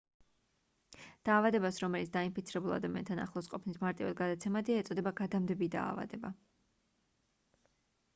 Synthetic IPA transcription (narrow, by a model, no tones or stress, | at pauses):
d̪̥aːvad̪ɛbasɾɔmɛlit̪sʰd̪aimpʰit̪sʰiɾɛbulˠa̰d̪amiant̪ʰana̰χlˠɔsqʼɔpʰnismaɾt̪ʼiva̰d̪ɡad̪at̪sʰɛmad̪ɛɛt̪sʼɔd̪ɛbaɡad̪amd̪ɛbid̪a̰ːva̰d̪ɛba